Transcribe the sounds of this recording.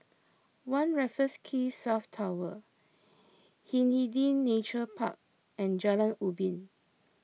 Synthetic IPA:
wãnɹɛfəskʰisaftʰawə | hĩnhidĩnːet͡ʃəpʰa̰k̚ | ɛ̃nd͡ʒalãntubĩn

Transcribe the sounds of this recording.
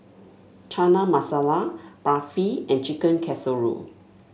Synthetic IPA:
t͡ʃanamasalabɹafiɛ̃nt͡ʃikə̃nkʰɛsəlɹṵl

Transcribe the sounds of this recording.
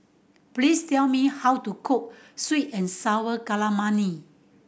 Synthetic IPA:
plistɛlmihawtukʰup̚switɛ̃nsawəkalamãni

